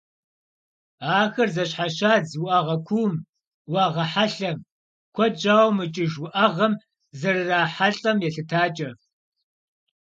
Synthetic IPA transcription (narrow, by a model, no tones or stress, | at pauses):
aːxɐrzɐɕħaɕaːd͡zwʊʔɐʁɐkʷʰuːm | wɑːʁɐħaɬɐm | kʷʰɔd͡ʒaːwmɨt͡ʃʼɪʒwʊʔɐʁɐm | zɐrɨraːħaɬʼɐmjɛɬɨtʰaːt͡ʃʼɐ